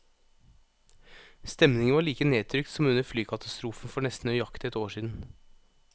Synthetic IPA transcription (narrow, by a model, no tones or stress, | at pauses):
st̪ɛmnɪŋəʋɑːɭiːkəneːt̪ʰɾʏkt̪sɔmʉnəɾflyːkʰɑt̪ɑst̪ɾuːfnfɔɳɛst̪n̩əjɑkt̪ɛt̪oːʂiːd̪n̩